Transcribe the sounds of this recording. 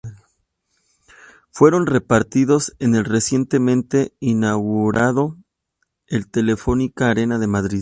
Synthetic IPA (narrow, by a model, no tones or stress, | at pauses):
fwe̞ɾo̞nre̞paɾt̪iðo̞se̞ne̞lre̞sje̞nt̪e̞mẽ̞nt̪e̞inaɣuɾaðo̞ | elt̪e̞le̞fo̞nikaːɾe̞naðe̞maðɾið